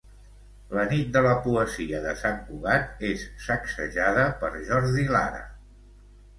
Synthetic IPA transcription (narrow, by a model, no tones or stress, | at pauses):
lənit̪̚d̪ələpuəziəðəsaŋkuɣat̪̚esːəksə̰ʒaðəpəɾʒɔɾðila̰ɾə̰